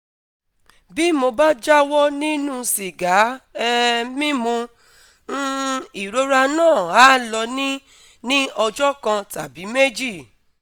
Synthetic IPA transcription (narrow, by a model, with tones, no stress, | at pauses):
bi˦mo˧ba˦d͡ʒa˦wɔ˦nĩ˦nũ˦si˨ɡa˨˦ɛ˧mĩ˦mũ˧˦ | i˨ɾo˦ɾa˧nãː˦˨a˨˦lɔ˧nĩ˦ | nĩ˦ɔ˧d͡ʒɔ˦kã˧ta˨bi˨˦me˦d͡ʒi˦˨